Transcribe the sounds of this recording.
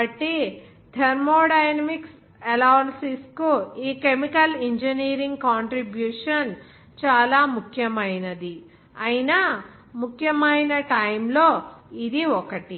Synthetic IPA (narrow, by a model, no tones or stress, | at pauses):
ɐʈi | t̪ʰeɾmoːɖɐjnɐmiks | ɛlaʋɐnsiskuiːkemikɐliɲd͡ʒɐniːɾiŋɡ̚kaːɳʈɾibjuːʂɐn | t͡ʃaːlaːmukʰjɐmɐjnɐd̪i | ɐjinɐ | mukʰjɐmɐjnɐʈɐjmlo̞ːid̪iɔkɐʈi